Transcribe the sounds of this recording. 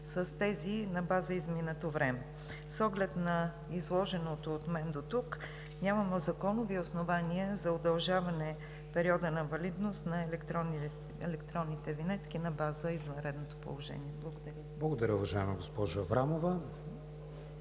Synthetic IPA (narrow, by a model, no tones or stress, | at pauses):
sɐst̪ɛzinɐbazəizminət̪ovɾɛmɛ | sɔɡlɛt̪nɐ | izlˠɔʒɛnot̪oːt̪mɛnd̪ot̪uk | ɲʲamɐmɛzɐkɔnoviosnovaniəzɐod̪ɐlˠʒavɐnɛ | pɛɾiɔd̪ənɐvɐlid̪nost̪nɐɛlɛkt̪ɾ | ɛ̰lɛkt̪ɾɔnːit̪ɛvinɛt̪k̟inɐbazəizvɐnɾɛd̪not̪o̥po̰lˠoʒɛ̰niɛblˠɐɡod̪ɐɾʲəblˠɐɡod̪ɐɾʲəʊvɐʒaɛmɐɡospɔʒəfɾamovə